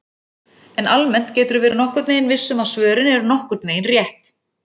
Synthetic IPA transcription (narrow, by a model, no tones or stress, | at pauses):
ɛnalmɛn̥t̪cɛːt̪ʏɾvɛːɾnɔhkʏɾt̪veːjɪnvɪsːʏmaðsvœːɾɪnɛɾʏnɔhkʏɾt̪veːjɪnrjɛht̪